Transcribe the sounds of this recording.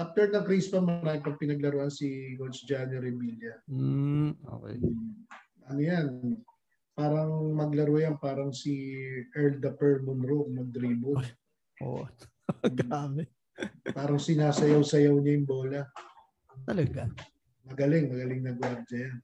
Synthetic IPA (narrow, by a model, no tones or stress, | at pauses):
ʔaf̚t̪ɛɹnɐŋkɾispɐmɐɾaːɪpɐɡ̚pɪnɐɡlɐɾoʔɐnsiɡolsd͡ʒaːnɪɾɪmiljɐ | o̰kɛ̰ | ʔɐnojan | paːɾɐŋmɐɡlɐɾojanpaːɾɐŋsiʔɛɹld̪ɐpɛɹmʊnɾokmond̪ɾibʊd̪ | ʔo̰ | ɡaːmɪt̪̚ | paːɾɐŋsɪnaːsɐjɐwsɐjɐwɲɐjʊŋbo̞ːlɐ | t̪ɐlɐɡa | mɐɡɐlɪŋmɐɡɐlɪŋnɐɡwaɾd͡ʒɐjan